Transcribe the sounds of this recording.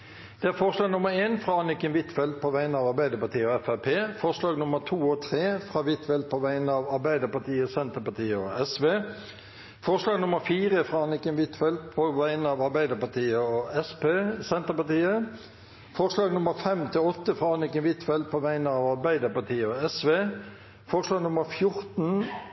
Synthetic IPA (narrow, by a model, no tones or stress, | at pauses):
d̪̥ɛæːɾfɔʁʂlɑːɡnʊməɾeːnfʁɑːɑnɪkənʋɪt̪fɛld̪̚pʰɔʋæɪənəɑːʋɑɾbæɪd̪əɾpɑt̪ʰiːəɔɛfæpʰeːfɔʁʂlɑːɡnʊməʁt̪ʰuːɔt̪ʰʁeːfɾɑːʋɪt̪fɛld̪̚pʰɔʋæɪənəɑːʋɑɾbæɪd̪əpɑt̪ʰiːəsɛnt̪əpɑt̪iːəɔɛsʋeː | fɔʁʂlɑːɡnʊməɾfiːʁəfʁɑːɑnɪkənʋɪt̪fɛlpʰɔʋæɪnəɑːʋɑɾbæɪd̪əpɑt̪ʰiːəɔɛspesɛnt̪əɾpɑt̪iːə | fɔʁʂlɑːɡnʊməɾfɛmt̪ʰɪlɔt̪ːəfʁɑːɑnɪkənʋɪt̪fɛlpʰɔʋæɪnəɑːʋɑɾbæɪd̪əpɑt̪ʰiːəɔɛsʋeː | fɔʁʂlɑːɡnʊməɾfjʊʁt̪n̩